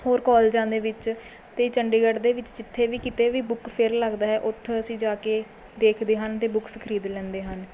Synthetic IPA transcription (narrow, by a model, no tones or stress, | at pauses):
hoːɾkɔːld͡ʒãːnd̪eːʋɪt͡ʃ | t̪eːt͡ʃəɳɖeːɡəɖd̪eːʋɪt͡ʃd͡ʒɪt̪ʰːeːʋiːkɪt̪eːʋiːbʊkpʰɪɾləɡd̪aːɦɛːʔʊt̪ʰːəsĩːd͡ʒaːkeː | d̪eːkʰd̪eːɦənt̪eːbʊksəkʰəɾiːd̪lɛ̃ːnd̪eːɦən